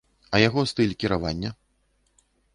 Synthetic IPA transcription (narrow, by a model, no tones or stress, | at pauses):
ɐjaɣɔst̪ɨlʲkʲiɾavanʲːɐ